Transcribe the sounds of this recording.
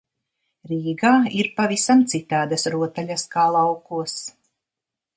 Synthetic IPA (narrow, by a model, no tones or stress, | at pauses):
ɾiːɡaːiɾpavisamt̪sit̪aːd̪asɾuɔt̪aʎʲaskaːlˠawkuɔs